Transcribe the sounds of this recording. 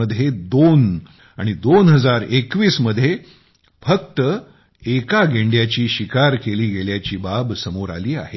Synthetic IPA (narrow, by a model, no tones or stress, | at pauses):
əd̪ʱjed̪on | aɽ̃id̪onɦəd͡zaɾekʋiːsməd̪ʱːje | fəkt̪ə | ekaɡʱeɳɖjat͡ɕiːɕikaɾkeliːɡeljat͡ɕiːbabsəmoɾa̰liːa̰ɦe